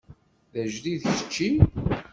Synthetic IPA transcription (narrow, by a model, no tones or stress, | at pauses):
ðæʒðiðçə̥t͡ʃːi